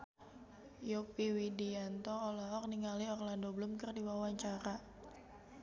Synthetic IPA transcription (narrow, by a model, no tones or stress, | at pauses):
jopiwidiant̪ɔːlɔɦɔk̚niŋaliɔrlandobəlʊmkərdiwawaɲt͡ʃaɾa